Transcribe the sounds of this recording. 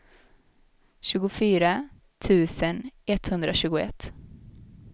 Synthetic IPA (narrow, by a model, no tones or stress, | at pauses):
ɕʉ̟ːɡʊfyːɾa | t̪ʰʉ̟ːsənɛt̪hɵnd̪ɾaɕʉ̟ːɡʊɛ̰t̪ː